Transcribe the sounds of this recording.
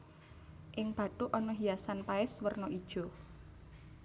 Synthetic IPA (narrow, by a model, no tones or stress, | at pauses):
ʔɪŋb̥ä̤ʈuʔɔnɔɦiasanpaɪswərnɔʔid̥ʒ̥ɔ̤